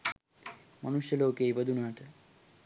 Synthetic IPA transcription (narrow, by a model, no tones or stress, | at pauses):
mɐnuʃjeloːkejbəd̪ʱunaːʈʰe